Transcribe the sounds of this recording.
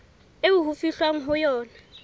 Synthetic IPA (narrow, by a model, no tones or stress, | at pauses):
euɦufiɬwaŋ̩ɦʊjɔːna